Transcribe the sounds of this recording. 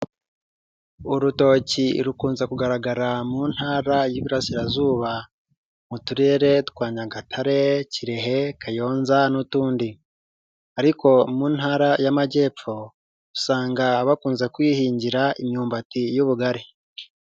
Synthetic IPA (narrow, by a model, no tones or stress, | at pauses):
uɾuto̞ciɾukuːnzekuɡaɾaɡaɾamun̥haːɾajiβiɾasiɾazuːβa | mutuɾe̞ːɾe̞tu̥kwaːɲaɡatʰaɾe̞ciɾe̞ɦe̞kʰajo̞ːnzanutuːndi | aɾiko̞muːn̥haːɾajamaɟe̞ːp͡fo̞ | ɾusaːŋɡaβakuːnze̞kwiːhiːɲɟiɾaimɲuːmbatijuβuɡaɾi